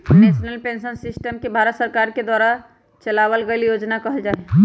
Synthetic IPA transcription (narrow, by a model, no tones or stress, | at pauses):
nesnəlpẽnsənsɪsʈəmkebʱaɾət̪səɾkaɾked̪waːɾa | t͡ʃəlaʋəlɡəljod͡ʒnakəɦəld͡ʒaːe